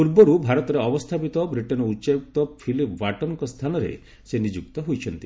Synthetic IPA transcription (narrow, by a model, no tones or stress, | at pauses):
puɾbɔɾubʱaɾɔt̪ɔɾeɔbɔst̪ʰapit̪ɔbɾiʈɔnɔut͡ʃajuk̚t̪ɔpʰilipʰwaʈɔnɔŋkɔst̪ʰanɔɾḛ | senid͡ʒuk̚t̪ɔɦojt͡ʃʰɔnt̪i